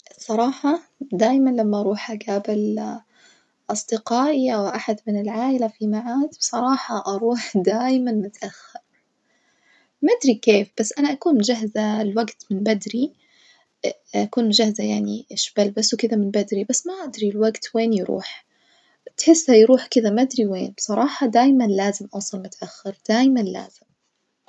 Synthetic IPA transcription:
sˤɑɾˤɑːħɑd̪aːjmanlamːaʔɑɾˤuːħaɡaːbɪl | ʔɑsˤd̪̥ɪqɑːʔiʔawʔaħad̪mɪnɪlʕaːʔɪlafimaʕaːd̪bsˤɑɾˤɑːħɑʔɑɾˤuːħd̪aːjmanmʊt̪ʔaxːɑɾ | mad̪ɾikeːfb̥asːʔanaʔakuːnʒaɦzalwaɡt̪mɪnbad̪ɾi | ʔakuːnʒahzajaʕniʃbalbasːwkɪd̪amɪnbad̪ɾibasːmaʔad̪ɾilwaɡt̪weːnjɾṵːħ | t̪ħɪsːajɾuːħkɪd̪amaʔad̪ɾiweːnbsˤɑɾˤɑːħɑd̪aːjmanlaːzɪmʔɑwsˤɑlmʊt̪ʔaxːɑɾd̪̥aːjmanla̰ːz̥ɪm

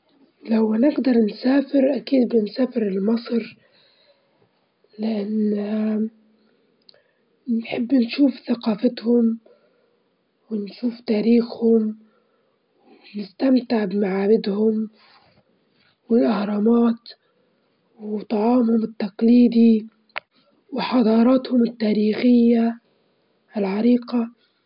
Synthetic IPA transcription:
lawanɪɡd̪ɑɾˤnsaːfɪɾʔakiːd̪bɪnsaːfɪɾɪlmɑsˤɾ | lɪʔanː | nħɪbːnʃuːfθaqɑːfɪt̪hʊm | wɪnʃuːft̪aːɾiːxhʊm | w | nɪst̪amt̪ɪʕbɪmaʕaːbɪd̪hʊm | wɪlʔahɾˤɑmaːt̪ | wwt̪ˤɑʕɑːmhʊmɪt̪ːaqliːd̪i | wɪħɑd̪ˤɑːɾˤɑːt̪hʊmɪt̪ːaːɾiːxɪjːa | ɪlʕɑɾiːqa

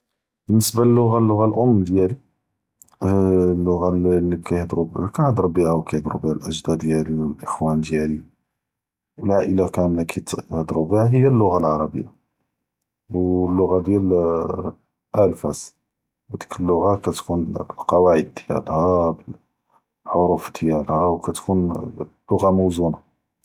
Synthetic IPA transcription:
bənːəsbalːʊɣalːʊɣalʔʊmːd̪jæli | lːʊɣalːibkæjhd̪ɾubkæhd̪ˤɾˤubihawkæjhd̪ɾubihalʔəʒd̪æd̪jæliwəlʔəxwænd̪jæli | wəlʕaʔəlakæmækʰæt̪hd̪ˤɾubihaɦəjːælːʊɣalʕɑɾˤɑbə̰jːa̰ | wlːʊɣad̪jæl | ʔælfæs | æd̪i̥kəlːʊɣakæt̪kunbəlqɑwaʕəd̪ːjæ̰lhæbəl | ħoɾufd̪̥jælhæwkæt̪kʰunlːʊɣamowzuna

